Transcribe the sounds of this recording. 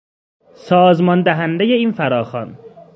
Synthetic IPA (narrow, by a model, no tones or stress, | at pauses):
sɒːzmɒnd̪æɦænd̪eje̞iːnfæɾɒːxɒn